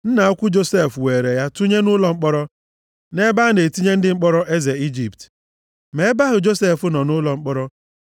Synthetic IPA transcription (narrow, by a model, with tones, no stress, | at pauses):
n̩˦na˨ɔ˦kʷʊ˦d͡ʒo˦se˦˨fweː˨ɾe˨ja˦tu˦ɲe˦nʊ˦lɔ˨ŋ͡m̩˦k͡pɔ˦ɾɔ˦ | ne˦ba˦ne˨ti˦ɲe˦n̩˦dɪ˦ŋ͡m̩˦k͡pɔ˦ɾɔ˦ʔe˦ze˨i˦d͡ʒi˨pt | me˨˦ba˦ɦʊ˨d͡ʒo˦se˦˨fʊ˦nɔ˨nʊ˦lɔ˨ŋ͡m̩˦k͡pɔ˦ɾɔ˦